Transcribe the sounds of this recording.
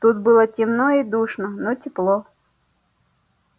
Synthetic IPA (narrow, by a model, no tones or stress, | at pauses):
t̪ut̪̚bɨlˠɔtʲimnɔid̪uʃnɔnɔtʲiplˠɔ